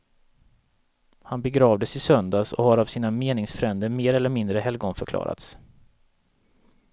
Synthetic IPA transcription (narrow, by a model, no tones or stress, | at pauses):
hanbɛɡɾɑːvd̪əsɪsœnd̪ɑːsɔ̰haɾavsiːnameːnɪŋsfɾɛnd̪əɾmeːɾɛlːəɾmɪnd̪ɾəhɛlɡoːnfœɾkʰlɑ̰ːɾa̰t̪s